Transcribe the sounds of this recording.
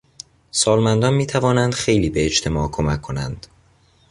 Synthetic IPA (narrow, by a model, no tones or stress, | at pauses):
sɒːlmænd̪ɒːnmiːt̪ʰævɒːnænd̪̥xe̞jliːbe̞ːt͡ʃt̪ʰe̞mɒːkʰo̞mækʰːo̞nænd̪̥